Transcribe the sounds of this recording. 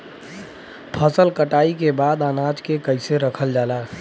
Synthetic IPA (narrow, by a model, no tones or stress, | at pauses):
pʰəsəlkəʈaːikebaːd̪anad͡ʒkekəɪseɾəkʰəld͡ʒaːla